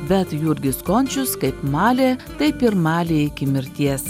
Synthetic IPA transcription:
bʲɛt̪juːɾʲɡʲɪskɔnʲt͡ʃʲʊskɐɪpmɑːlʲeːt̪ɐɪpɪɾmɑːlʲeːɪkʲɪmʲɪɾʲt̪ʲiɛs

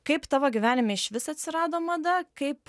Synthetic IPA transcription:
kɐɪpt̪ɑːʋoːɡʲɪʋʲæːnʲɪmʲeɪʃʋʲɪsɐt̪ʲsʲɪɾɑːd̪oːmɐd̪ɐkɐɪp

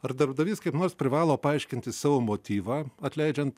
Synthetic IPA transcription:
ɐɾd̪ɐɾbd̪ɐʋʲiːskɐɪpnoːɾspʲɾʲɪʋɑːlˠoːpɐɐɪʃʲkʲɪnʲt̪ʲɪsɑːʋoːmoːt̪ʲiːʋɑːɐt̪ʲlʲɛɪd͡ʒʲɛnt̪

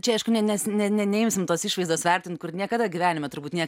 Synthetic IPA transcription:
t͡ʃʲɛɐɪʃkʊnʲɛnʲɛsnʲɛnʲɛnʲɛɪmʲsʲɪmt̪oːsiːʃʋɐɪzd̪oːsʋʲɛrʲt̪ʲɪnt̪̚kʊrnʲiɛkɐd̪ɐɡʲiʋʲæːnʲɪmʲɛt̪ʊɾbuːtnʲiɛk

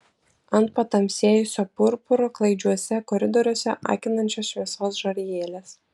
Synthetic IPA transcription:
ɐnt̪̚pɐt̪ɐmʲsʲeɛjʊsʲopʊɾpʊɾoːklˠɐɪd͡ʒʲuɔsʲɛkɔɾʲɪd̪ɔɾʲuɔsʲɛʔɑ̰ˑːkʲɪnɐnʲt͡ʃʲɔsʃʲʋʲiɛsoːsʒoɾʲjeːlʲeːs

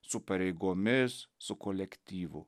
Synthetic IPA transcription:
sʊpɐɾʲɛɪɡoːmʲɪsːʊkolʲɛkt̪ʲiːʋʊ

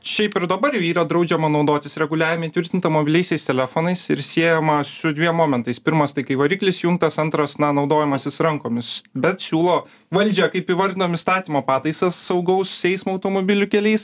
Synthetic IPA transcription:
ʃʲɛɪpɪɾd̪ɐbɐɾjɛiːɾɐd̪ɾɐʊd͡ʒʲɛmɐnɐʊd̪oːt̪ʲɪsɾʲɛɡʊlʲæːʋʲɪmɐit̪ʋʲɪɾʲt̪ʲɪnt̪ɐmoːbʲɪlʲɛɪsʲɛɪst̪ʲɛlʲæfoːnɐɪsɪ̰ɾsʲiɛjomɐsʊd̪ʲʋʲiɛmoːmʲɛnt̪ɐɪspʲɪɾmɐst̪ɐɪkɐɪʋɐɾʲiːklʲɪsjʊŋk̚t̪ɐsɐnt̪ɾɐsnɐnɐʊd̪oːjɛmɐsʲɪsɾɐŋkoːmʲɪsbʲɛt̪sʲuːlˠoː | ʋɐlʲd͡ʒʲɛkɐɪpiʋɐɾʲd̪ʲɪnoːmʲɪst̪ɑːt̪ʲiːmoːpɑːt̪ɐɪsɐsːɐʊɡɐʊssʲɛɪsmoɐʊt̪oːmoːbʲɪlʲʊkʲɛlʲɛɪs

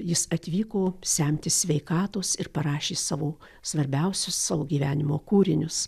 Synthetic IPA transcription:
jɪsɐt̪ʲʋʲiːkoːsʲæmʲt̪ʲɪsʲʋʲɛɪkɑːt̪oːsɪɾpɐɾɑːʃʲeːsɑːʋoː | sʋɐɾʲbʲɛʊsʲʊssɑːʋoːɡʲiːʋʲæːnʲɪmoːkuːɾʲɪnʲʊs

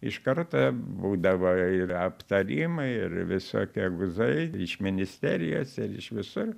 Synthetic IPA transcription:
ɪʃkɐrt̪ɐbuːd̪ɐʋoːɪɐpt̪ɐɾʲiːmɐɪɪrʋʲɪso̰ːkʲiɛɡʊzɐɪɪʃmʲɪnʲɪsʲt̪ʲæːɾʲɪjo̰ːsɪɾɪʃʋʲɪsʊr

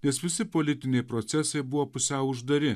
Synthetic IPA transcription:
nʲɛsʋʲɪsʲɪpolʲɪt̪ʲɪnʲɛɪpɾot̪sʲɛsɐɪbʊʋoːpʊsʲɛʊʊʒd̪ɐɾʲɪ

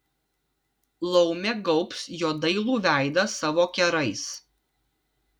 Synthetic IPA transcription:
lˠɔʊmʲɛɡɔʊpsjoːd̪ɐɪlˠuːʋʲæˑɪd̪ɐsɑʋoːkʲɛɾɐɪs

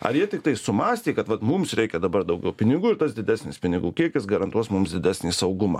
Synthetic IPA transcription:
ɐ̰jiɛt̪ʲɪk̚t̪ɐɪsʊmɑːsʲt̪ʲiːkɐt̪ʋɐt̪mʊmsɾʲɛɪkʲɛd̪ɐbɐrd̪ɐʊɡʲɛʊpʲɪnʲɪɡuːɪɾt̪ɐsd̪ʲɪd̪ʲæːsʲnʲɪspʲɪnʲɪɡuːkʲiɛkʲɪsɡɐɾɐnt̪uɔsmʊmsd̪ʲɪd̪ʲæːsʲnʲiːsɐʊɡʊmɑ̰ː

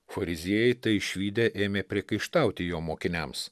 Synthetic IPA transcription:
fɐɾʲɪzʲiɛjɛɪt̪ɐɪʃʲʋʲiːd̪ʲɛʔeːmʲeːpʲɾʲiɛkɐɪʃt̪ɐˑʊt̪ʲɪjoːmoːkʲɪnʲɛms

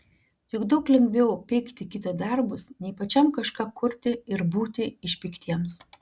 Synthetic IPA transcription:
jʊɡd̪ɐʊklʲɛŋɡʋʲɛʊpʲɛɪkt̪ʲɪkʲɪt̪ɐd̪ɐɾbʊsnʲɛɪpɐt͡ʃʲɛmkɐʃkɑːkʊɾʲt̪ʲɪɪɾbuːt̪ʲɪɪʃʲpʲiːkt̪ʲiɛms

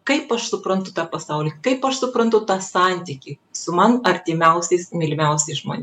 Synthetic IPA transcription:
kɐɪpɐʃsʊpɾɐnt̪ʊt̪ɑːpɐsɑʊlʲiːkɐɪpɐʃsʊpɾɐnt̪ʊt̪ɑːsɑnʲt̪ʲiːkʲiːsʊmɐnɐɾʲt̪ʲɪmʲɛʊsʲɛɪsmʲɪlʲmʲɛʊsʲɛɪsʒmoːnʲ

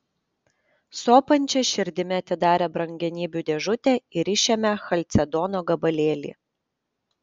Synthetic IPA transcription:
soːpɐnʲˑt͡ʃʲɛʃʲɪɾʲd̪ʲɪmʲɛɐt̪ʲɪd̪ɑːɾʲɛbɾɐŋʲɡʲɛnʲiːbʲuːd̪ʲɛʒʊt̪ʲɛɪɾɪʃʲemʲɛxɐlʲt̪sʲɛd̪ɔːnoːɡɐbɐlʲeːlʲḭː

